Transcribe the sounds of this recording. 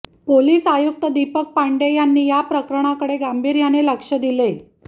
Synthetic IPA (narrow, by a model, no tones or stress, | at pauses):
poliːsajuk̚t̪əd̪ipək̚paɳɖejanːiːjapɾəkɾəɳ̃akəɽeɡambʱiːɾjaneləkʂəd̪ile